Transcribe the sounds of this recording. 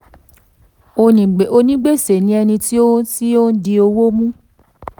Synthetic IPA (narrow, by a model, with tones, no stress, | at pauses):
o˧nĩ˨ɡ͡be˨o˧nĩ˦ɡ͡be˦˨se˨nĩ˦ɛ˧nĩ˧ti˦o˦ti˦o˦n̩˦di˧o˧wo˦mũ˦